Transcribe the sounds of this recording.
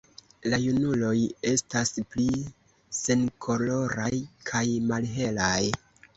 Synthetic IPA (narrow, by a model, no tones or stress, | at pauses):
lajunulo̞je̞staspli | se̞nkʰo̞lo̞ɾajkʰajmalɦe̞laj